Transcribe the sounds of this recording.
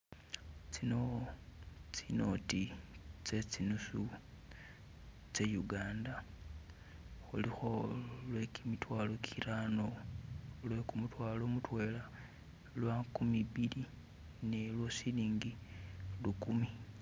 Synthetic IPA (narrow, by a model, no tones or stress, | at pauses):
t͡sino̞ | t͡sino̞tit͡se̞t͡sinusu | t͡se̞juɡaːnda | xṵlixolwe̞kimitwaːlo̞kʰiɾano̞ | lwe̞kumutwaːlo̞ːmutwe̞ːla | lwakumiβili | ne̞lwosiliːŋɡilukumi